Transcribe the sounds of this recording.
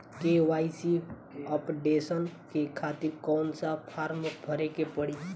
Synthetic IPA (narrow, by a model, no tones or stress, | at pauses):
keːʋaːisi | ɔpɖeːsənkekʰaːt̪ɪɾkɔːnsapʰaːɾməkbʱəɾekepəɽi